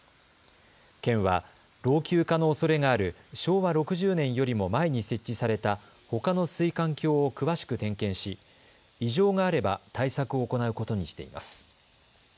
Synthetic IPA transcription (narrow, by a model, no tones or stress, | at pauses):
kẽ̞ɰ̃βa | ɾo̞ːkʲɨːkano̞ːso̞ɾe̞ŋaːɾɯ̟ɕo̞ːβaɾo̞kɯ̟ʑɨːnẽ̞ɰ̃jo̞ɾʲimo̞mae̞ɲ̟ise̞t͡ɕ͈ːisaɾe̞t̪a | ho̞kano̞sɨikãŋkʲo̞ːkɯ̟βaɕi̥kɯ̟t̪ẽ̞ŋkẽ̞ɰ̃ɕi | iʑo̞ːŋaːɾe̞ba̰t̪aisakɯ̟o̞ːko̞naɯ̟ko̞t̪o̞ɲ̟iɕi̥t̪e̞̰ḭma̰sɨ̥